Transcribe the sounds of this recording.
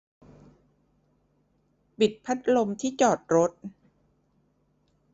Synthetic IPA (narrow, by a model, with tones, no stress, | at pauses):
pi˨˩t̪̚pʰa˦˥t̪̚lo˧mt̪ʰiː˥˩t͡ɕɔː˨˩t̪̚ɾo˦˥t̪̚